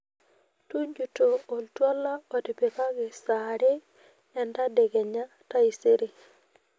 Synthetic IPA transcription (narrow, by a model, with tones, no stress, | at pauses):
tu˦ɲd͡ʒu˨to˨o˨ltwɔ˦la˦o˨tɪ˨pe˨ka˦ɡɪ˨sa˨ɾe˦ | ɛ˨nda˦de˨ɡɛ˨ɲa˦ta˦i˨se˦ɾi˨